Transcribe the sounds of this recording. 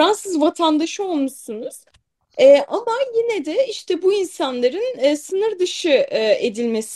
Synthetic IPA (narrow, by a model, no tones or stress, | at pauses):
ɾansɯzvat̪ʰand̪aʃo̞lˠmuʃsunuz̥ | ɛːʔamajinɛd̪ɛiʃt̪ʰɛbuinsanlˠaɾɯnːsɯnɯɾd̪ɯʃɯʔed̪ilʲme̞s